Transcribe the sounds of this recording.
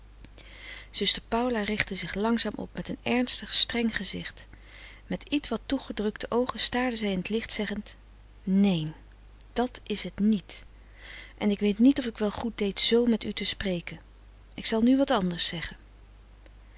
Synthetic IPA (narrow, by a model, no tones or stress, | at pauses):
z̥ɵstəɹpɑwlaːrɪχtəzɪχlɑŋzaːmʔɔ̰p̚mɛtənɛɹnstəχstrɛŋχəzɪχt | mɛtitʋɑtːuχədrɵktəʔowχəstaːɹdəzɛjɪnətlɪχtsɛχənt | nejn | d̥ɑtɪsɦətnit | ʔɛnɪkʋejtnitɔfɪkʋɛlˠχut̚dejtzowmɛtytəsprejkən | ɪksɑlˠnyʋɑtɑndəɹsɛχən